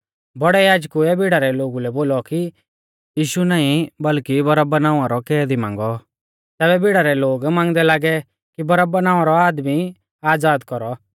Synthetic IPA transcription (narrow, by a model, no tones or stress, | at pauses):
bɔɽɛjaːd͡ʒkuɛbɪɽaɾɛloːɡulɛboːlɔki | jiːʃunaːĩbɐlkibɔɾabɐnãːaɾɔkɛːd̪imã̰ːŋɡɔ | t̪ɛːβɛbɪɽaɾɛloːɡmãːŋɡd̪ɛlaːɡɛ | kibɔɾabɐnãːʋãɾɔaːd̪mi | aːd͡zaːd̪kɔɾɔ